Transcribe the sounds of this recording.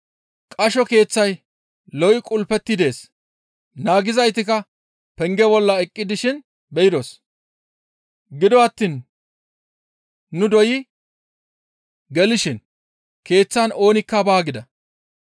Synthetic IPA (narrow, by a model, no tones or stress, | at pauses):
kʼɐʃɔke̞ːt͡sːɐj | lɔwjɪkʼʊlpɛt̪ːɪd̪e̞ːs | naːɡɪzɐjt̪ɪkɐ | pɛŋɡɛbɔlːɐɛkʼːɪd̪ɪʃɪn | bɛjɪd̪ɔs | ɡɪd̪ɔɐt̪ːiːn | nʊd̪ɔjɪ | ɡɛlɪʃɪn | ke̞ːt͡sːano̞ːnɪkːɐbaːɡɪd̪ɐ